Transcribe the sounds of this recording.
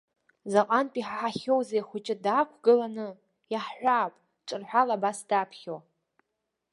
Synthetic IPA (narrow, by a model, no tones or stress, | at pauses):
zaqʼanpʼiħħaχʲowzejχʷʊt͡ʃʼɪdaːkʷʰɡɨlanɨ | jaħħʷaːpʼ | ʈ͡ʂʼɨrħʷᶣalabasd̥apʰχʲow